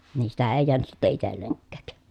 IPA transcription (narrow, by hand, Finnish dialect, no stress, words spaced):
niː sitæ eˑi̯ jeænyt sitːe itelːeŋkːæˑk